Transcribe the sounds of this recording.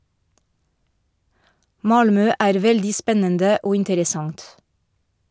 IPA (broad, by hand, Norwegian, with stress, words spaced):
ˈmɑlmœ ˈæːɾ ˈʋɛldiː ˈspɛnəndə ˈoː ɪntəɾəˈsɑŋt